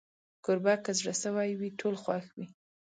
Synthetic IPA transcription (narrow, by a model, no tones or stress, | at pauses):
kʊɾbɑkazɽəsəwajwiʈʰolxwaxwi